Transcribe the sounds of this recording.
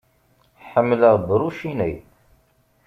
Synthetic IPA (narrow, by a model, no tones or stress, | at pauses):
ħəmːləʁbɾuʃinæj